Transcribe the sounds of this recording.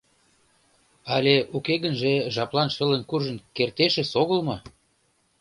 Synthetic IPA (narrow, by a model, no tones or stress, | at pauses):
ɑlʲeukeɣənʒĕʒɑplˠɑnʃə̆lə̆nkuʒə̆nkert̪eʃĕsoɣə̆lmɤ̆